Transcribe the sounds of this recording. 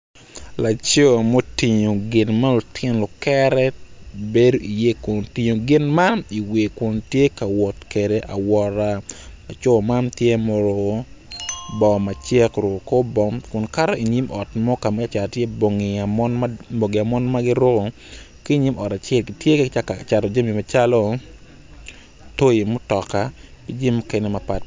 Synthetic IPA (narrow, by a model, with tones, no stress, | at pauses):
la˨t͡ʃo˦˨mo˦ti˨ɲo˨ɡɪ˨nma˦lo˨tʰɪ˦nlo˨kɛ˦ɾɛ˦be˦do˦ʔi˨je˦kʊ˨nti˨ɲo˨ɡɪ˨˦nma˦ni˨we˨kʊ˨ntje˦ka˨wɔ˨tke˨de˨ʔa̰˨wɔ˨ɾa˨a˨t͡ʃo˦˨ma˦ntje˦mɔ˨ɾo˨ | bɔ˨ma˨t͡ʃe˦kɾo˨ko˦bɔ˦mkʊ˨nka˦ɾɔ˦i˨ɲi˦mʔɔ˨tmɔ˦ka˨ma˦˨t͡ʃa˨ltje˦bo˨ŋi˨a˨mɔ˦nm˦bo˨ɡi˨a˨mɔ˦nma˦ɡɪ˦ɾo˦ɡo˨ | ki˦˨ɲi˦mʔɔ˨ta˨t͡ʃɛ˦lɡi˨tje˦kt͡ʃt͡ʃa˨tɔ˨d͡ʒa˦mi˨ma˨t͡ʃa˦lɔ˦ | to˦ji˨mʊ˦tɔ˨ka˨ki˦d͡ʒi˦mːʊ˦ke˦ne˦ma˨pa˨t